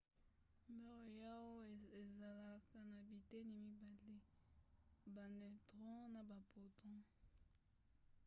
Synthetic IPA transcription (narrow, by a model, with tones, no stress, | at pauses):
mɛ˦ʁo˨ja˦wo˦e˨za˨la˨ka˨na˨bi˨te˦ni˨mi˦ba˨le˦ | ba˨nɛ˨tʁɔ̃˦na˨ba˨po˨tʰɔ̃˦